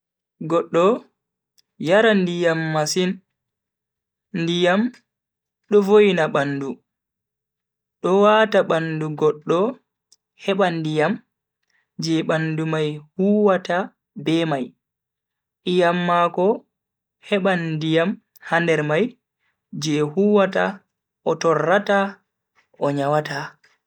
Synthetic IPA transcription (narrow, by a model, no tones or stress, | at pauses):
ɡɔɗːɔ | jaɾandijamːasin | ndijam | ɗɔvojnaɓanːdu | ɗɔwataɓanduɡɔɗːɔ | hɛɓandijam | d͡ʒɛɓandumajhuːwata | bɛmaj | ʔijamːakɔ | hɛɓandijam | handɛɾmaj | d͡ʒɛhuːwata̰ | ʔɔtɔrːata | ɔɲawata